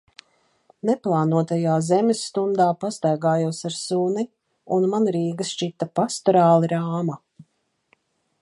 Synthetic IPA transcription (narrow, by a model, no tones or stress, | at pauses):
neplˠɑːnuɔt̪ajaːzɛmʲesːt̪und̪aːpast̪ajɡaːjuːsaɾsuni | unmanɾiːɡɨst͡ʃit̪ːapast̪ɔɾaːlˠiɾaːma